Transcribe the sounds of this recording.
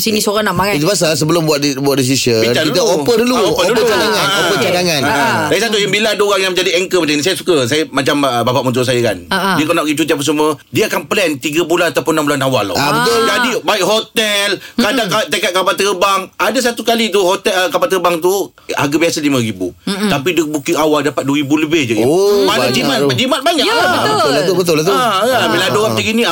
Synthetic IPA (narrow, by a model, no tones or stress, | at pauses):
sinisoɾanaʔmaŋait̪ubasals̬əbəlʊmbuat̪̚buat̪̚dis̬isəpinait̪əopədəluopədət͡ʃadaŋanopət͡ʃadaŋãnaadaɡisat̪ujaŋbilaadəoɾaŋjaŋməɲd͡ʒadiɛŋkəmat͡ʃaŋinisajəsu̥kəs̬ajəmat͡ʃambapaʔmənt̪us̬ajəka̰ndiakanaʔpɡit͡ʃut̪̬iap̬əs̬umədiəakanpəlɛnt̪iɡəbulanat̪awpʊnːambulanawala̰abət̪d͡ʒadibaɪk̚ɦot̪ɛlkadaŋkat̪əkat̪̚kabat̪əbaŋadas̬at̪ukalit̪̬uhot̪ɛlkabat̪əbaŋt̪u | a̰ɡabiasalimə̃ɾibṵt̪apidəbukiawaldapat̪̚duəɾibuləbɪhd͡ʒaɡimanad͡ʒimat̪ad͡ʒimat̪̚baɲakt̪bʊʊlt̪ubət̪ʊlt̪uaabiladoɣat̪iɡinĩa